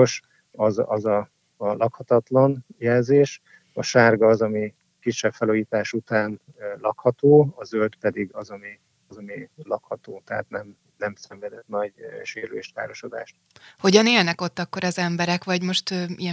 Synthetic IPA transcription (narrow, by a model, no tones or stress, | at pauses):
oʃ | ɒzɒzɒ | lʔɒkhɒt̪ɒt̪lɒnjɛlzeːʃ | ɒʃaːrɡɒːzɒmi | kiʃːɛbfɛluːjiːt̪aːʃut̪aːn | lɒkhɒt̪oːɒzølt̪pɛd̪iɡɒzɒmi | ɒzɒmilɒkhɒt̪oːt̪ɛɦa̰ːt̪nɛm | nɛmsɛɱvɛd̪ɛt̪nɒɟʃeːɾylḛːʃt̪ka̰ːɾo̞ʃod̪a̰ːʃt̪ | ho̞ɟɒneːlnɛko̞t̪ːɒkːo̞ɾɒzɛmbɛɾɛkʋɒɟmo̞ʃt̪øijɛ